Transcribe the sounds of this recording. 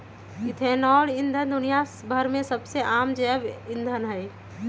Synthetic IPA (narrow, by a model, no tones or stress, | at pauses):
ɪt̪ʰeːnɔːlɪnd̪ʱənd̪ʊnijasbʱəɾmẽsəbseʔaːmd͡ʒɛːbɪnd̪ʱənɦɛ